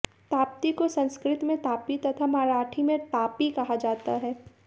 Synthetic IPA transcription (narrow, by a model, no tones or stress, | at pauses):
t̪aːp̚t̪ikosɐ̃nskɾɪt̪mẽt̪aːpit̪ɐt̪ʰamaːɾaːʈʰimẽt̪aːpikɐɦad͡ʒaːt̪aɦɛː